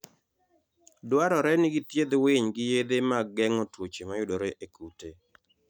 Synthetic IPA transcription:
dwaɾɔɾɛnɪɡit̪jed̪wɪɲɡɪjed̪emaɡɛŋotwot͡ʃemajʊdoɾeʔekute

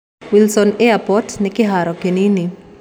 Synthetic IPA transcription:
wilsɔnɪapɔtnɪkɪɦaɾɔkenini

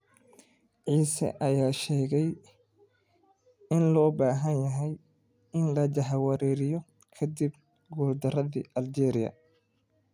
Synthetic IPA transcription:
ʕiːsɐ̰ʔɐjaːʃɛːɣɛj | ɪnlɔːbaːɦɐnjɐɦɛj | ɪnlɐd͡ʒɐħwɐɾɛːɾɪjɔ | kʰɐd̪ib | ɡuːrd̪ɐrɐðḭːʔɐld͡ʒɛːɾɪjɐ̰

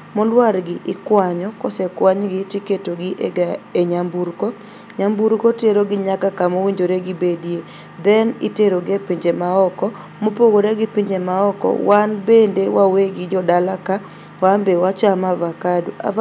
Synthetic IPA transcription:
molwaɾɡɪʔɪkwaɲɔkɔsɛkwaɲɡɪtiketoɡɪʔeeɲambuɾkɔ | ɲambuɾkoteɾoɡɪɲakakamowiɲd͡ʒoɾeɡɪbedje | d̪ɛniteɾoɡepiɲd͡ʒemaɔkɔ | mopoɡoɾeɡɪpiɲd͡ʒemaɔkɔ̰wanbendewaweɡɪd͡ʒɔdalaka | wambewat͡ʃamavakadua̰

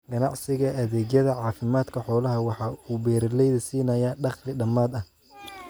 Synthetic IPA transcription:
ɡɐnɑʕsɪɣɐʔɐðɛːɣjɐðɐʕɑːfɪmaːd̪kʰɐħɔːlɐɦɐwɑħɑːuːbɛːɾɐlɛjðɐsiːnɐjɐɖɑqlɪɖɐmaːd̪ɐh

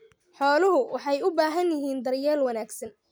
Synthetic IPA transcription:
ħɔːlʊɦʊwɑħɑjʊbaːɦɐnjɪɦiːnd̪ɐrjɛːlwɐnaːɡsɐn

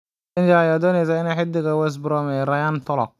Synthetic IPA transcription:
ɪnd͡ʒaːjaːd̪ɔːnɛs̬aɪnɛːħɪd̪ɪɣɐwɛs̬bɾɔmɛɾɐjant̪ʰɔlɔ̰k̚

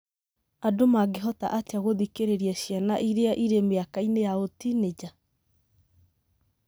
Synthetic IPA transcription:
adomaɡeɦɔta̰ʔateaɣoðikeɾeɾiaɕjanaʔiɾeaʔiɾemeakainejaotined͡ʑa

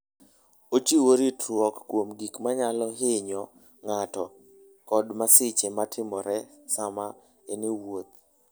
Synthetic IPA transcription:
ot͡ʃiwoɾitɾwɔkːwomɡikmaɲalɔɦɪɲɔ | ŋatɔ | kɔdmasɪt͡ʃematʰɪmɔɾɛsama | enewot̪̚

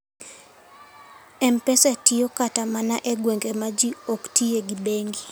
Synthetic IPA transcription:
ɛmpɛsɛtiɔkatamanaʔeɡweŋɡemad͡ʒioktieɡibeŋɡi

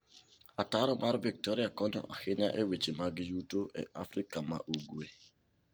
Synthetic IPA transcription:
ataɾɔmaɾvɪk̚tɔɾiakɔnɔ̰ʔahɪnaʔewet͡ʃimaɡɪjutoʔḛʔafɾikama̰ʔuɡwe

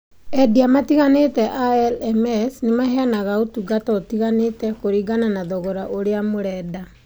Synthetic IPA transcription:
ɛdiamatiɣanetɛʔaɛlɛmɛsnemaɦeanaɣaotuɡatɔtiɣanetɛkoɾiɡananaðɔɣɔɾaʔoɾeamoɾɛːda

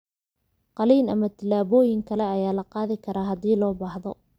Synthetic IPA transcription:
qɑliːnɐmɐt̪ʰɪlːaːβɔːjɪŋkʰɐlɛɐjaːlɐqɑːðɪkʰɐɾaːɦɐd̪iːlɔːbɑːhðɔ̰

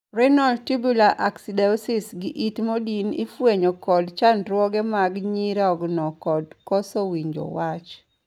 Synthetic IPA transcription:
rɛnaltibulaʔaksidɛɔsisɡɪʔitmodinɪ̰fweɲokɔdt͡ʃantɾwɔɡɛmaɡɲiɾaɔɡnɔkɔdkɔsɔwiɲd͡ʒo̰wat͡ʃ

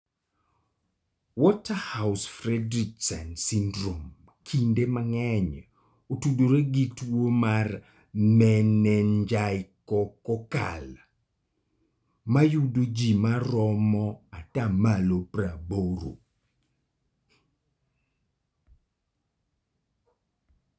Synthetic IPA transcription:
wɔtahaʊsfrɛdɾiksɛnsindɾom | kʰindemaŋɛɲ | otudoɾeɡitwomar | mɛnɛnd͡ʒaɪkɔkɔka̰l | majudod͡ʒimaɾɔmɔatamalopraboɾo̰

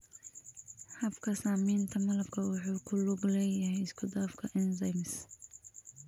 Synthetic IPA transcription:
hɐbkʰɐsaːmiːnt̪ʰɐmɐlɐbkʰɐwʊħuːkʰʊlʊɡlɛːjɐhɛjɪskʰʊd̪aːfkʰɐʔɪnzɐmɪs

